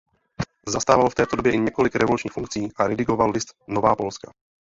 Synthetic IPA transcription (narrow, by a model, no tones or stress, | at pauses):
zast̪aːvalft̪ɛːt̪odobjɛʔɪɲɛko̞lɪkɾɛvo̞lut͡ʃɲiːxfuŋk̚t͡siːʔaɾɛdɪɡo̞vallɪst̪no̞vaːpo̞lska